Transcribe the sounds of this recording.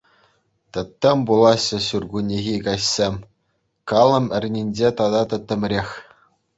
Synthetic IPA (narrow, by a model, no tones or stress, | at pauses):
t̪ɤ̆t̪ʲːɤ̆mʲbulˠɑɕːɤ̆ɕurɡunʲiɣʲikɑɕsʲemʲ | kɑlˠɤ̆mɘ̆rʲnʲinʲd͡ʑet̪ɑd̪ɑt̪ɤ̆t̪ʲːɘ̆mʲrʲexʲ